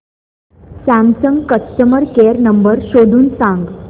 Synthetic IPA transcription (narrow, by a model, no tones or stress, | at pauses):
sæmsəŋɡkəst̪əməɾkeɾnəmbəɾɕod̪ʱuːnsãŋɡ